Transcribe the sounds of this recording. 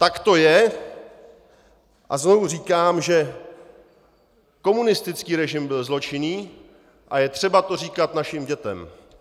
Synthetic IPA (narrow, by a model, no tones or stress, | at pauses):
t̪akt̪o̞jɛ | ʔazno̞vur̝iːkaːmʒɛ | ko̞munɪst̪ɪt͡skiːɾɛʒɪmbɪlzlo̞t͡ʃɪniː | ʔajɛt̪r̝̥ɛbat̪o̞r̝iːkat̪naʃɪmɟɛt̪ɛ̰m